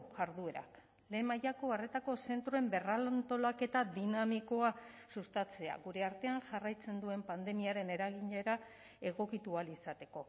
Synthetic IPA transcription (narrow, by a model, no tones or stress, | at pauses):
ʝaɾðue̞ɾa̰k | le̞ːmajako̞are̞t̪ako̞se̞nt̪ɾoe̞mbe̞ralant̪o̞lake̞t̪aðinamiko̞a | sust̪at͡se̞a̰ɣuɾe̞aɾt̪e̞aŋʝarajt͡se̞nd̪ue̞mpand̪e̞miaɾe̞ne̞ɾaɣiɲeɾa | e̞ɣ̞o̞kit̪ualisat̪e̞ko̞